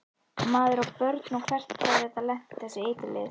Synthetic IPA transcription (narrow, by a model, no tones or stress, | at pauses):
maːðʏɾawpœɾt̪nukʰv̥ɛr̥t̪aθɛht̪ːalɛht̪θɛsːɪeːjt̪ɪlɪ̰ð